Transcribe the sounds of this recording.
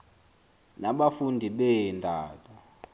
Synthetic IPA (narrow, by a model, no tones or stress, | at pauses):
naɓafundʱiɓɛintaːtʰʼɔ